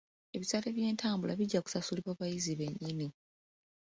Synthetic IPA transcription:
e̞βisaleβje̞ːntʰaːmbulaβiɟːaku̥sasuliβwaːβajiziβe̞ɲːini

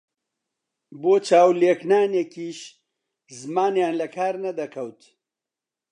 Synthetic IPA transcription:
boːt͡ʃʰaːwleːknaːnekiːʃ | zmaːnjaːnlɐkʰaːɾnɐd̪ɐkʰɐwt̪

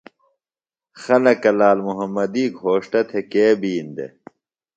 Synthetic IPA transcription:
xɐlɐkɐlaːlmuɦɐmːɐd̪iːkɦoːʂʈɐt̪ʰekeːbiːnd̪ḛ

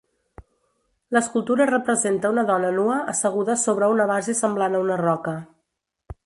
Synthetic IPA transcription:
ləskulˠt̪uɾərəpɾəzent̪əunəðɔnənuəʔəsəɣ̞uðəsoβɾəunəβazesəmblanəunərɔkə

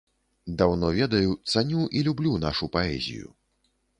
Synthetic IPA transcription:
d̪awnɔvʲɛd̪ɐjut̪sanʲuʔilʲublʲuna̰ʂupaɛ̰zʲḭjṵ

